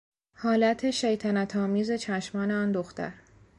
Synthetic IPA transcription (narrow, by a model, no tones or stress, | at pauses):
hɒːlæt̪ʰe̞ʃejt̪ʰænæt̪ʰɒːmiːze̞t͡ʃʰæʃmɒːneɒːnd̪oxt̪æ̰ɾ